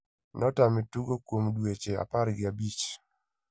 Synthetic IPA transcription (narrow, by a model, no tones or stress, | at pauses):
nʔɔtamituɡokwomdwet͡ʃea̰paɾɡɪabit͡ʃ